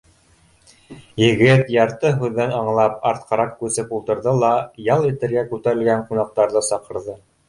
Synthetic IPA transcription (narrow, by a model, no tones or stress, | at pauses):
jɘ̆ɡɘt̪jɑɾt̪ɤɦʉðːænɑɴlˠɑpɑɾt̪̚qɑɾɑq̚kʉsɘpulˠt̪ɤ̆ɾðɤlˠɑjɑlˠit̪ɘ̆ɾɡækʉt̪æɾɘ̆lɡæɴqunɑq̚t̪ɑɾðɤsɑqɤ̆ɾðɤ